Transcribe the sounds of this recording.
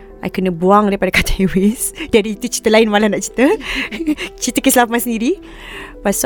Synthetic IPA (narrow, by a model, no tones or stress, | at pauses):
ʔa̰jkənəbuaŋdaɾipadakat̪ʰaewesdiadəit̪ut͡ʃi̥t̪əlaɪnmalanaʔt͡ʃi̥t̪ə | t͡ʃit̪əkislamansəndiɾi | pas